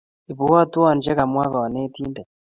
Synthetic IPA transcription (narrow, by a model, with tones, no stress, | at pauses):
i˨βu˨wa˦tu˦wa˨nd͡ʒe˦ɣa˨mwa˦βa˨wa˨ne˦tiː˦nde˨